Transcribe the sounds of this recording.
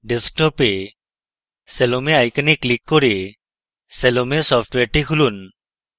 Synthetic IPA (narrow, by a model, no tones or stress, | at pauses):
ɖesk̚ʈɔpe | selomeajkanikːlikːoɾi | selomesɔpʰʈweʈikʰulun